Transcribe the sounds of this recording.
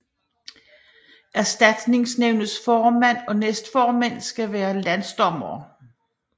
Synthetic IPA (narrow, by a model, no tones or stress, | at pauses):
ʔæɐsd̥æd̥ne̝ŋsneʊ̰nð̩ˠsfɒːmæn̰ɒ̽nesd̥fɒːmæn̰sɡ̥æʋæːɐlænsd̥ɒ̽mɐː